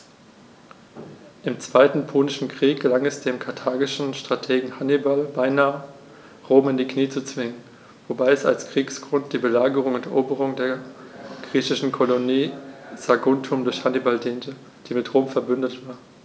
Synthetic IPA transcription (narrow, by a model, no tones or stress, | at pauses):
ʔɪmt͡sv̥aɪtn̩pʰoːnɪʃn̩kʁ̥iːk̚ɡ̥əlaŋɛsd̥eːmkʰaɐtʰaːɡɪʃn̩ʃtʁ̥atʰeːɡŋ̩hanibalbaɪnaːə | ʁoːmɪndiːkniːt͡sut͡sv̥ɪŋən | vobaɪɛsa̰lskʁ̥iːksɡ̥ʁʊnt̚d̥iːbəlaːɡəʁ̞ʊŋʊntɛʔoːbəʁ̞ʊŋdeːɐɡ̥ʁiːçɪʃn̩kʰoloniːz̥aɡʊntʰʊmdʊɐçhanibaldiːntə | d̥iːmɪtʁoːmfɛɐbʏndətv̥aːɐ